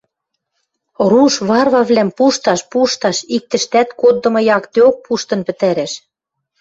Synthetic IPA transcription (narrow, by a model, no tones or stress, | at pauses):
ɾuʃβɑrβɑβlæmpuʃt̪ɑʃpuʃt̪ɑʃik̚t̪ɘ̆ʃt̪æt̪kod̪ːɤ̆mɤ̆jɑkt̪eok̚pʰuʃt̪ɤ̆npɘ̆t̪æɾeʃ